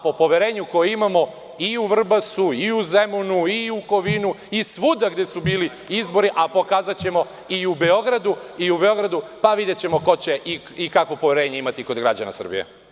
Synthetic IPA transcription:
po̞po̞ʋeɾeːɲuko̞jeimamo̞ | iuʋr̩basuiuzemunuiuko̞ʋinu | isʋud̪aɡd̪e̞subiːli | izbo̞ɾiʔapo̞kaːzat͡ɕe̞mo̞ | iube̞o̞ɡɾad̪uiube̞o̞ɡɾad̪upaʋid̪et͡ɕe̞mo̞ko̞t͡ɕe̞ʔi | ikakʋo̞poʋe̞ɾeːɲeimat̪iko̞d̪ɡɾa̰d͡ʑana̰sr̩bḭjḛ

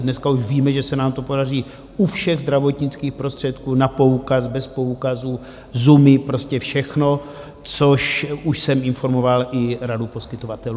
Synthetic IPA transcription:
dnɛskauʃviːmɛʒɛsɛnaːmt̪o̞po̞dar̝iː | ufʃɛɣzd̪ɾavo̞t̪ɲɪt͡skiːxpɾost̪r̥ɛt̪kuːnapo̞ukas̬bɛspo̞ukazu | zumɪpɾo̞scɛfʃɛxno | t͡soʃuʃsɛmɪnfo̞ɾmovalʔɪɾadupo̞skɪt̪ovat̪ɛl

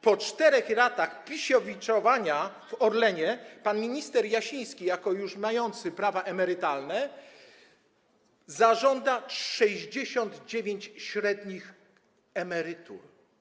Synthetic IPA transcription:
pɔt͡ʂt̪ɛɾɛxlat̪axpʲiɕɔvʲit͡ʂɔvaɲavɔɾlɛɲɛpanmʲiɲist̪ɛɾjaɕĩj̃skʲijakɔjuʂmajɔnt̪sɘpɾavaʔɛmɛɾɘt̪alnɛ | zaʐɔnd̪aʂɛʑd͡ʑeɕɔnd̪d͡ʑevʲeɲt͡ɕɕɾɛd̪ɲix | ɛmɛɾɘt̪ṵɾ

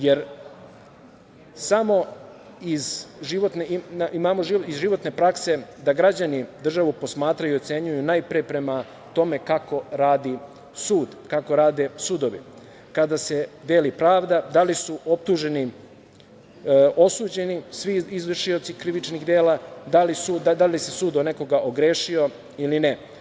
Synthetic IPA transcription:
je̞ɾ | samo̞ | izʒiʋo̞t̪nenaimaːmo̞ʒiizʒiʋo̞t̪ne̞pɾakse̞d̪aɡɾad͡ʑanid̪r̩ʒaʋupo̞smaːt̪ɾajijuot̪se̞ɲujunajpɾepɾe̞ma | t̪o̞me̞kako̞ɾaːd̪i | suːd̪kako̞ɾaːd̪e̞suːd̪o̞ʋḭ | kad̪ase̞d̪eːlipɾaːʋd̪ad̪alisuʔo̞p̚t̪uʒe̞ni | o̞suːd͡ʑe̞nisʋiːzʋr̩ʃio̞t̪sikɾiʋit͡ʃniɣd̪eːlad̪alisud̪ad̪alise̞suːd̪one̞ko̞ɡaʔoɡɾeːʃio̞ | iline

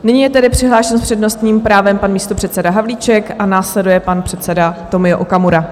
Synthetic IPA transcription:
nɪɲiːjɛt̪ɛdɪpr̥ɪɦlaːʃɛnspr̥ɛdnost̪ɲiːmpɾaːvɛmpanmiːst̪opr̝̥ɛt̪t͡sɛdaɦavliːt͡ʃɛkʔanaːslɛdujɛpanpr̝̥ɛt̪sɛdat̪o̞mɪjoʔokamuɾa

